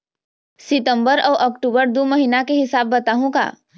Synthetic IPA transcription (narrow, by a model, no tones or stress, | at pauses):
sɪt̪ə̃mbəɾɔʋʔɔkʈubəɾd̪uməɦinakeɦɪsaːbːət̪aɦũka̰ː